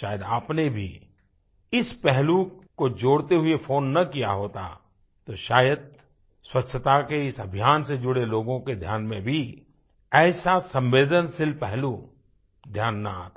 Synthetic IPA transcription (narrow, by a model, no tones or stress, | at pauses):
ʃaːjəd̪aːpnebʱḭ | ɪspɛɦlukod͡ʒoːɽt̪eɦʊefʰoːnːɐkijaɦoːt̪a̰ | t̪oʃaːjəd̪̚ | swɐtːʃʰət̪akeɪsɐbʱjaːnsed͡ʒʊɽeloːɡõked̪ʱjaːnmẽbʱi | ɛːsasə̃mʋeːd̪ənsɪlpɛɦlu | d̪ʱjaːnːa̰a̰ːt̪a